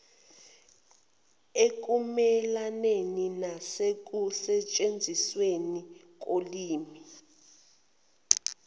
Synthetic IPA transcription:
ek̬ʼumɛlaneninasek̬usɛt͡ʃʼend͡zʱisweni | k̬ʼoliːmi

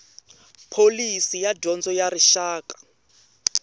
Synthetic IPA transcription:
pʰolisijadʱɔnd͡zɔjaɾiʃaːkḁ

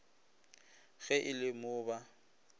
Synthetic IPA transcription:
ɣɛʔɪlɪmʊːba

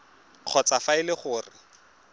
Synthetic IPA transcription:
q͡χʰɔt͡safaɪlɪχʊːrɪ

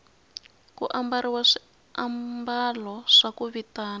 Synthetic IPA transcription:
kuʔambaɾiwaʂi | ambalɔʂakuβitaːna

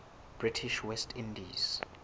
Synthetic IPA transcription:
b̥ɹitʰiʃwɛstʰĩndiz̥

